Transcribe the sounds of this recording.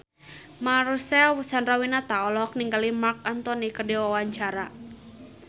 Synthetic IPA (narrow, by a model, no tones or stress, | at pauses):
marsɛlwəsanrawinat̪aɔlɔk̚niŋɡalimark̚ant̪ɔnikədɛwawaɲt͡ʃaɾa